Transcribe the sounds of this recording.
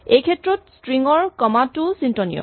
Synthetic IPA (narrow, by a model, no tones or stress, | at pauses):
ejkʰɛtɹɔtstɹiŋɔɹkɔmatʊsintɔnijɔ̰